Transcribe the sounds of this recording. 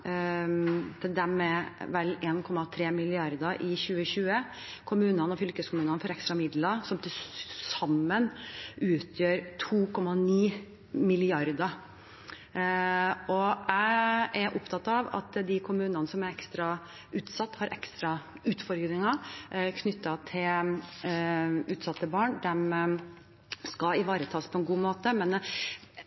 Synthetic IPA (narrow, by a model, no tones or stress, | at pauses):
t̪ʰɪd̪æmɛʋɛlːeːnkʰɔmːɑt̪ʰɾeːmɪlɪɑɾd̪əʔɪɕʉːəɕʉːə | kʰʊmʉːnənɔfʏlkəskʊmʉːnənəfɔɾɛkst̪ɾɑmɪd̪ləsɔmt̪ʰɪsɑmːənʉːt̪ʰjøːɾt̪ʰuːkʰɔmːɑniː | mɪlɪɑɾd̪ə | ɔæɪæɾʔʊpt̪ʰɑt̪ːɑʋɑ̰t̪d̪ɪkʰʊmʉːnɑnəsɔmæɾɛkst̪ɾɑ | ʉːt̪sɑt̪ːhɑɾʔɛkst̪ɾɑ | ʉːt̪fɔɾɡɾɪŋɑkʰnʏt̪ːɑt̪ʰɪl | ʉːt̪sɑt̪ːəbɑːɳd̪ɛm | skɑɪʋɑːɾət̪ʰɑːspʰɔɛnɡuːmoːt̪əmɛn